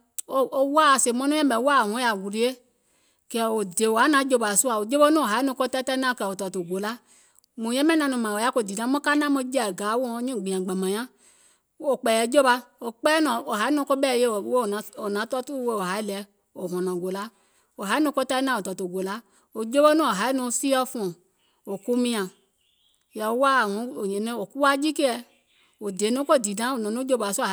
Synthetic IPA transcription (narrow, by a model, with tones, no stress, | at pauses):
o˨o˨wa˦˨se˨mɔ̃˦nũ˦ɛ̃˦mɛ˨˦wa˦˨hɔ̃˨˦a˨ɡu˨ɾi˨˦e˦ | kɛ˨wo˨de˨wo˨a˨˦nã˨˦d͡ʒo˧˦ba˨su˦a˨wo˨d͡ʒo˦bo˦nũ˦o˨ɦa˨˦i˦nõ˧ko˦ta˦ta˦nã˦˨kɛ˧˨o˨tɔ˨to˨ɡo˨la˦ | mũ˨jɛ̃˦mɛ˦nã˧nũ˧mã˨wo˨ja˦ko˧˨di˨nã˨˦mɔ̃˦ka˦nã˦mo˧˦d͡ʒɛ˦˨ɡa˨˦wo˦˨˦ɲũ˦˨ɡ͡bi˨ã˨ɡ͡ba˨mã˨ɲã˦ | o˨k͡pɛ˨jɛ˨˦d͡ʒo˦ba˧o˨k͡pɛ˦nɔ̃˨o˨ɦa˨˦i˦nũ˧˦ko˦bɛ˦˨je˦˨˦wo˦˨˦o˨nã˨˦tɔ˦tu˦we˧o˨ɦa˨˦i˦lɛ˨˧˦ | o˨ɦɔ̃˨nɔ̃˨ɡo˨la˨˦ | o˨ɦa˨˦i˦nũ˧˦ko˧ta˧˦nã˦˨o˨tɔ˨to˨ɡo˨la˨˦ | o˨d͡ʒo˦bo˦nũ˦o˨ɦa˨˦i˦nũ˧si˦ɔ˦fu˧˦ɔ̃˨ | o˨ku˦mĩ˧ã˨ | jɛ˨o˨˦wa˦˨hũ˨˦o˨ɲe˨nẽ˦o˨ku˦wa˦d͡ʒi˦ke˦ɛ˧ | o˨de˨˦nõ˦ko˦˨di˨dã˦o˨nɔ̃˨nũ˦d͡ʒo˦ba˨su˦˨